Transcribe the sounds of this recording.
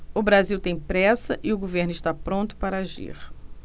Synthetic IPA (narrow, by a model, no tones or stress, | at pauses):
ʊbɾaziwt̪ẽj̃pɾɛsɐʔɪʊɡoveɾnʊɪʃt̪apɾõnt̪ʊ̥paɾɐaʒḭɾ